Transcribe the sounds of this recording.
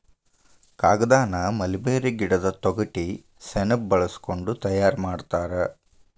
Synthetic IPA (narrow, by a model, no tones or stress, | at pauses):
kaːɡɐd̪aːnɐmɐlibeːɾeɡiɽɐd̪ɐt̪ɔɡɐʈi | sɛnɐp̚bɐɭɐsko̞ɳɖut̪ɐjaːɾmaːɖt̪aːɾɐ